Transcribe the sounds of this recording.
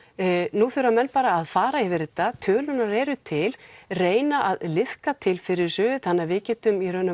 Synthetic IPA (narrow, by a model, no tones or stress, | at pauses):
nuθʏɾamɛnpaːɾaːðfaːɾaivɪɾt̪ːat̪ʰœːlʏnaɾɛːɾʏt̪ʰɪlreːjnaʔaðlɪð̥kat̪ʰɪlfɪɾɪɾ̥sœːðʏθanːavɪcɛːt̪ʏmiɾœnʏ